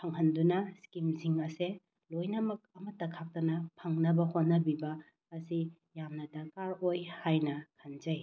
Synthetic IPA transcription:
pʰɐŋɦɐndunɐskimziŋɐse | lojnɐmɐk̚ɐmɐtːɐkʰak̚tɐnɐpʰɐŋnɐbɐhot̚nɐbibɐː | si | jamnɐdɐkaɾojhajnɐkʰɐnzɐj

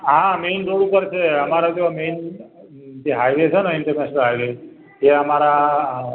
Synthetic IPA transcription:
ɦãmenɾoɽũkəɾt͡ʃʰeəmaɾad͡ʒomen | d͡ʒeɦajʋet͡ʃʰeneɪɳʈəɾnɛʃənəlɦajʋe | d͡ʒeəmaɾa

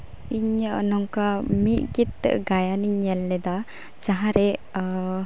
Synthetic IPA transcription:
iɲəʔnɔŋkamit̪̚ɡit̪ːɛ̰ʔɡajaniɲɛlːɛd̪a | t͡ʃaɦaɾɛ

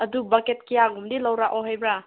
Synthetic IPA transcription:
ɐdubaket̚kijaɡumdilɐwɾaʔɔɦajbɾa

